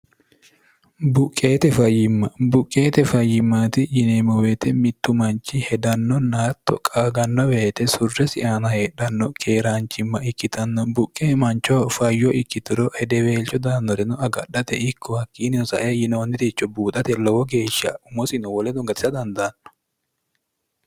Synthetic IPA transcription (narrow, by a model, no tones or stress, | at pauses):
bʊkʼːe̞ːt̪ɛfɐjːɪmːɐbʊkʼːeːt̪ɛfɐjːɪmːaːt̪ɪjɪnemɔweːt̪ɛmɪt̪ːʊmɐnt͡ʃːɪhɛd̪ɐnːɔnaːt̪ːɔ̰kʼaːɡɐnːɔweːt̪ɛsʊrːɛsɪʔaːnɐheːɗɐnːɔkʰeːɾaːnt͡ʃːɪmːɐɪkːɪt̪ɐnːɔbʊkʼːeːmɐnt͡ʃːɔfɐjːɔʔɪkːɪt̪ɪɾɔhɛd̪ɛweːlt͡ʃːɔd̪aːnːɔɾɛnɔɐɡɐɗɐt̪ɛɪkʰːɔhɐkːiːnɪnɔsɐʔejɪnoːnːɪt̪it͡ʃːɔbuːt̪ʼɐt̪ɛlɔwɔɡe̞ːʃːɐ̰ʊmɔsɪnɔwɔlɛd̪ɔŋɡɐt̪ɪ̥sɐd̪ɐnd̪ɐnːɔ̥